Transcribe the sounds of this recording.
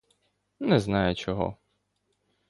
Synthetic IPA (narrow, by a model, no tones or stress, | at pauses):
nɛznɑjʊt͡ʃɔɦɔ̰